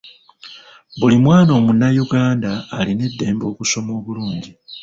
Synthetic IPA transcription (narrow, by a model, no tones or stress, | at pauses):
βulimwaːno̞ːmunːajuɡaːndaːline̞dːe̞ːmbo̞ːkuso̞mo̞ːβuluːɲɟi